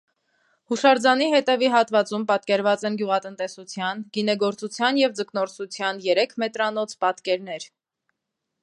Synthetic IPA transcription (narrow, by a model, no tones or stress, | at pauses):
huʃɑɾd͡zɑniɦɛt̪ɛviɦɑt̪vɑt͡sumpɑt̪̚kɛɾvɑt͡sɛnɡjuʁɑt̪ənt̪ɛsut͡sʰjɑnɡinɛɡɔɾt͡sut͡sʰjɑnjɛvd͡zəknɔɾsut͡sʰjɑnjɛɾɛkʰmɛt̪ɾɑnɔt͡sʰpɑt̪kɛɾnɛɾ